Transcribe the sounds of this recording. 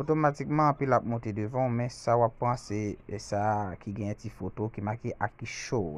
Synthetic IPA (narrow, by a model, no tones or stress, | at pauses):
otomatikmãpilapmõtedevãũmɛ̃sawapãseɛsakiɡɛ̃ɛ̃tifotokimãkeʔakiʃo